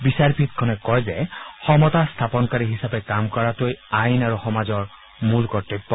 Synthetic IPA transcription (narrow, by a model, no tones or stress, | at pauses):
bisaɹbʱit̪̚kʰɔnɛkɔjzɛxɔmɔtaɹst̪ʰapɔnkaɹiɦisabɛkamkɔɹatojajnaɹuxɔmazɔɹ | mulkɔɹteppːɔ